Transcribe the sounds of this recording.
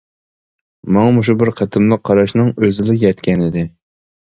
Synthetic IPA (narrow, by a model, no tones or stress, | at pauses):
mɑŋɑmoʃ̬ubɪɾqʰæt̪ʰɨmlˠəqʰːɑɾɑʃnɨŋøzɪlɪjɛt̪kʲʰɛnɪd̪ɪ